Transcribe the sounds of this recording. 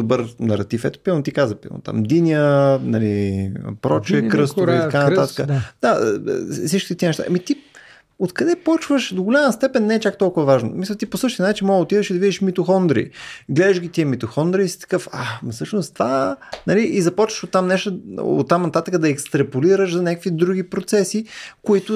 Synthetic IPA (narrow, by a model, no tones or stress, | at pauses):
d̪obɤɾnɐɾɐt̪ifɛt̪ʊ̥piɛnt̪ikazvəpḭno̰t̪a̰md̪iniənɐlipɾɔt͡ʃɛkɾəst̪it̪ɐkanɐt̪at̪ə̥kəd̪̥a̰sit͡ʃki̥t̪ət̪iənɛʃt̪a̰ʔmit̪i | ot̪kɐd̪ɛpɔt͡ʃvəʃd̪oɡolʲaməst̪ɛpɛnːɛɛt͡ʃak̚t̪ɔlˠkʊvɐvaʒno̰misˠət̪iposɤʃt̪iənat͡ʃinmɔɡot̪iðəʃid̪ɐvid̪iʃmit̪oxɔnd̪ɾḭɡlɛd̪əʃɡʲit̪iəmit̪oxɔnd̪ɾisi̥t̪ɐ̥kɤfa̰msɤʃnʊst̪vanɐliʔizɐpɔt͡ʃvəʃot̪ːamnɛʃt̪ʊo̰t̪ːamnɐt̪at̪əkəd̪ɐɛkst̪ɾɐpoliɾəʃzɐnʲakə̥kvid̪ɾuɡ̟ipɾot̪sɛsikoit̪ʊ